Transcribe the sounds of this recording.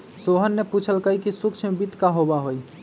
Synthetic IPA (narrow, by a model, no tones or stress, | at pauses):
soɦənːeput͡ʃʰəlkəikisukt͡ʃʰmebit̪kaɦobaɦoj